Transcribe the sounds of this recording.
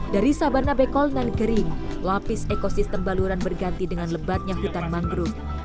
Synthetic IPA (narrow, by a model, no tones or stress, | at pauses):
daɾisabarnabekɔlnanɡəɾɪŋlapɪsekosist̪əmbaluɾanbərɡant̪idəŋanləbat̪̚ɲaɦut̪anmaŋɡɾu